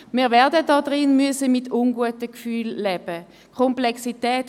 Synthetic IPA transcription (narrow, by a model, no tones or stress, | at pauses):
miːɐʁvɛɐdədɔdʁɪnmyəsəmitʰʊnɡuətəkfyːlːɛb̥ə | kʰɔmplɛksitɛːt